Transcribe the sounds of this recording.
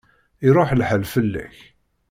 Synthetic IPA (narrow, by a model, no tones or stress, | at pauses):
iɾˤoħlħəlfəlːæ̰ç